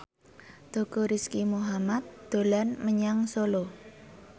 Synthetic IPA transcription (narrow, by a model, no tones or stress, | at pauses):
d̪̥o̤koɾiskimuɦamat̪̚d̪̥o̤lanməɲaŋsolo